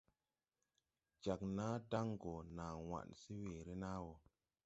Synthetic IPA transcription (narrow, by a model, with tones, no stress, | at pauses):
d͡ʒa˨k̚na˦da˦ŋɡo˨na˨wa̰˨nsi˦we˨ɾi˦na˦wo˨